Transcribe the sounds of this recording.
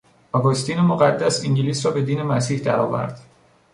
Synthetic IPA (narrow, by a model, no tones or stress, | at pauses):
ɒɡost̪iːnemoɣæd̪ːæsiŋɟeliːsɾɒːbe̞d̪iːne̞mæsiːhd̪æɾɒ̰ːvæ̰ɾd̪̥